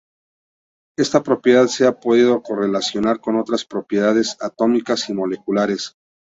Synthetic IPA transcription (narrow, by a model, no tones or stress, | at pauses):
e̞st̪apɾo̞pje̞ðaðse̞apo̞ð̞iðo̞ko̞re̞lasjo̞naɾko̞no̞t̪ɾaspɾo̞pje̞ð̞aðe̞sat̪o̞mikasimo̞le̞kulaɾe̞s